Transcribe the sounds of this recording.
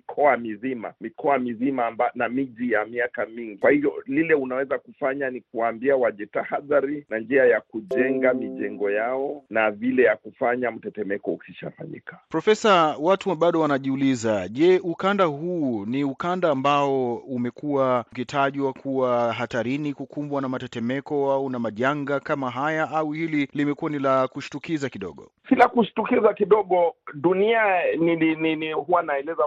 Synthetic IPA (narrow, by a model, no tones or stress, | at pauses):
ikʰɔamizima̰mikɔamizimambanamiʄijamiakamiŋɡikwahivjɔlilɛunawɛzakufaɲanikuwaːmbiawaʄɛtahaðaɾinand͡ʒiajakuʄɛŋɡamiʄɛŋɡɔjaɔnavilɛjakufaɲam̩tɛtɛmɛkɔukiʃa̰fa̰ɲḭkḁpɾɔfɛsawatuɓaɗɔwanaʄiulizaʄɛʔukandahuːniukandaːmbaɔumɛkuwakitʰaʄwakʰuwaɦataɾinikukʰumbwanamatɛtɛmɛkɔaunamaʄaŋɡakamaɦajaʔauhililimɛkuwanilakuʃi̥tukizakiɗɔ̰ɠɔ̰ | silakuʃi̥tukizakiɗɔɠɔɗunianinininihuwanaɛlɛza